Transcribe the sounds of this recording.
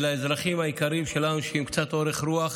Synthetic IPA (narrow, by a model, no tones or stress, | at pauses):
laezɾaχimhajikaɾimʃe̞lanuʃehimkt͡sat̪o̞ɾeχɾuaχ